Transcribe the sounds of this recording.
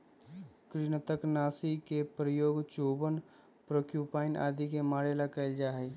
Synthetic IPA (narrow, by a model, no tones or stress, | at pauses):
kɾiñət̪əknaːsikepɾəjoːɡt͡ʃoːbən | pɾəkjuːpaːɪnʔa̰ːd̪ikemaːɽelakəɪld͡ʒaːɦɛ